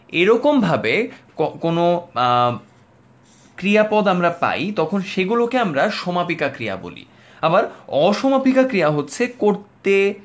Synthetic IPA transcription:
eɾɔkombʱabekɔkono | kɾijapɔd̪amɾapa̰jt̪ɔkʰonʃeɡulokeamɾaʃɔmapikakɾija̰bo̰lḭ | abaɾɔʃɔmapikakɾijaɦotːɕʰekoɾt̪e

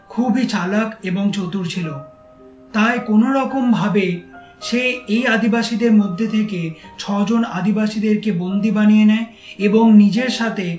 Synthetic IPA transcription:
kʰubit͡ɕalakeboŋt͡ɕot̪uɾt͡ɕʰilo | t̪aekonoɾɔkombʱabe | ʃeejad̪ibaʃid̪eɾmod̪ʱːet̪ʰeket͡ɕʰɔd͡ʑona̰d̪ibaʃid̪eɾkebond̪ibanijenɛe | eboŋnid͡ʑeɾʃat̪ʰe

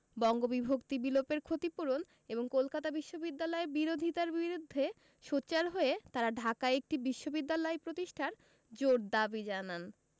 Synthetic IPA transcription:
bɔŋɡobibʱokt̪ibilopeɾkʰot̪ipuɾon | eboŋkolkat̪abiʃːobid̪ːalɔeɾbiɾod̪ʱit̪aɾbiɾud̪ʱːe | ʃotːt͡ɕaɾɦoet̪aɾaɖʱakaek̚ʈibiʃːobid̪ːalɔepɾot̪iʃʈʰaɾ | d͡ʑoɾd̪abid͡ʑanan

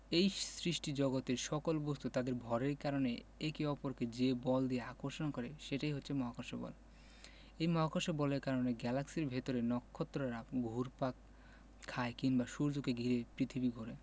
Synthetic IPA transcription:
ejsɾiʃʈid͡ʑɔɡot̪eɾʃɔkolbost̪ut̪ad̪eɾbʱɔɾeɾkaɾoneekiɔpoɾked͡ʑebɔld̪ieakoɾʃonakɔɾeʃeʈajɦotːɕʰemɔɦakoʃobɔ̰l | ejmɔɦakoʃebɔleɾkaɾoneɡɛlaksiɾbʱet̪oɾenɔkʰːot̪ːɾoɾaɡʱuɾpak | kʰːaekinbaʃuɾd͡ʑukeɡʱiɾepɾit̪ʰibiɡʱoɾe

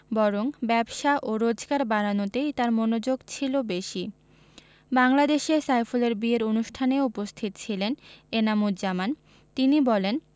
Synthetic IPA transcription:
bɔɾoŋbɛbʃaʔoɾod͡ʑɡaɾbaɾanot̪ejt̪aɾmonod͡ʑoɡt͡ɕʰilobeʃi | baŋlad̪eʃesajfoleɾbieɾonuʃʈʰaneupost̪ʰit̪ot͡ɕʰilenenamud̪d͡ʑaman | t̪inibɔlen

